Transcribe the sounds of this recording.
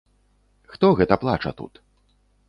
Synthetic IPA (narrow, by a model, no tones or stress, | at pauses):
xt̪ɔɣɛt̪ɐplˠat͡ʂɐ̰t̪ṵt̪